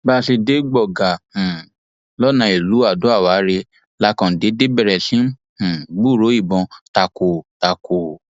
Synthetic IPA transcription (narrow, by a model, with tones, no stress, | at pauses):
ba˦ʃe˧de˨˦ɡ͡bɔ˦˨ɡa˨h̩˨ | lɔ˦nã˧˨i˨lu˨˦a˦˨do˨˦a˦˨wa˨˦ɾe˧ | la˦kã˨de˨˦de˦bɛ˦˨ɾɛ˨sĩ˨˦˨ | ɡ͡bu˦˨ɾo˨˦i˦˨bɔ̃˧ta˧ko˨ta˧ko˨